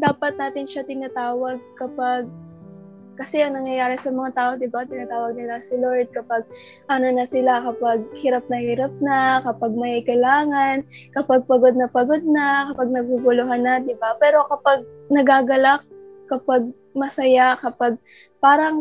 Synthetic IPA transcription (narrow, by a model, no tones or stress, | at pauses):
d̪aːpɐt̪̚naːt̪ɪnʃat̪ɪnaːt̪aːwɐɡ̚kɐpaɡ̚ | kɐsɛʔɐŋnɐŋjɐjaːɾɛsɐmɐŋat̪aːʔod̪ɪbat̪ɪnaːt̪aːwɐɡ̚nɪlɐsɪloɹd̪̚kɐpaɡ̚ | ʔɐnonɐsɪlakɐpaɡ̚hiɾap̚nɐhiːɾɐp̚nɐkɐpaɡ̚mɐhiːkɐjlaːŋɐnkɐpaɡ̚pɐɡo̞d̪̚nɐpɐɡod̪̚nɐkɐpaɡ̚nɐɡ̚uɡʊloɦanːad̪ɪbapɛːɾo̞kɐpaɡ̚nɐɡaːɡɐlakkːɐpaɡ̚ | mɐsɐjakɐpaɡ̚ | paːɾɐŋ